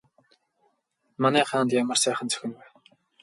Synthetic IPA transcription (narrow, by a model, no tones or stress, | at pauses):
manæːχaːnt̪jamə̆rsæːχə̆nt͡sʰɵ̥xʲɪ̆nwæ